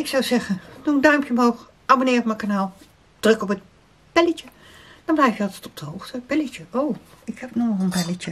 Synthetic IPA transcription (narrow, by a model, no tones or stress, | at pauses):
ɪksawsɛxəndundœɥmpʰjəmowx | ʔabonɪːrɔpmakanaːlˠ | d̥rɵkɔpət̚ | pɛləcə | d̥ɔ̃nblɛjfjəɑlˠtɛtɔp̚d̥əɦowxtəpɛlətəʔoː | ɪkhɛpnolənbɛlətə